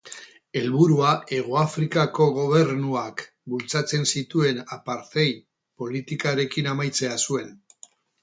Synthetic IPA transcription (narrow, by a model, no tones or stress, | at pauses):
e̞lβuɾuae̞ɣ̞oafɾikako̞ɣ̞o̞β̞e̞ɾnuak | bult͡sat͡se̞nsit̪ue̞napaɾt̪e̞j | po̞lit̪ikaɾe̞kinamajt͡se̞asue̞n